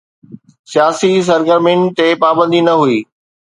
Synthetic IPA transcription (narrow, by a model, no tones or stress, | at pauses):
sijaːsis̬ɐɾɡəɾmɪ̃ɳt̪epaːbə̃nd̪inɐɦuiː